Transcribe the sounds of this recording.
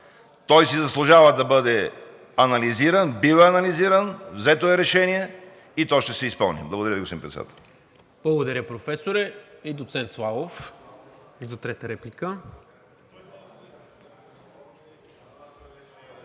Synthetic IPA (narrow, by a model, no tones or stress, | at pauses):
t̪ɔjsizɐslˠʊʒavəd̪ɐbɤd̪ɛ | ɐnɐliziɾənbivɛɐnɐliziɾənvzɛt̪oɛɾɛʃɛniɛ | it̪ɔʃt̪ɛsɛispəlˠnḭblˠɐɡod̪ɐɾʲəviɡospiimpɾɛt̪ɛd̪a̰t̪ɛlˠ | b̥lˠɐɡod̪ɐɾjəpɾofɛsoɾɛid̪ot̪sɛnt̪slˠalˠof | zɐt̪ɾɛt̪əɾɛplikə